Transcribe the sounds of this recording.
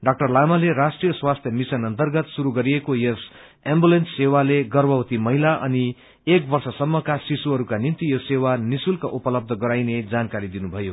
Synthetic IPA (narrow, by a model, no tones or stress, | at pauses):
ɖʌk̚ʈʌrlamalerasʈrijʌswast̪ʰjʌmisʌnʌnt̪ʌrɡʌt̪suɾuɡʌɾiekojes | embulensːewaleɡʌrbʌwt̪imʌɦilaʔʌ̰ni | ek̚bʌrsʌsʌmːʌkasisuɦʌɾukanint̪ijosewanisulkaʔupʌlʌb̚d̪ʱʌɡʌɾajned͡zankaɾid̪inubʱʌjo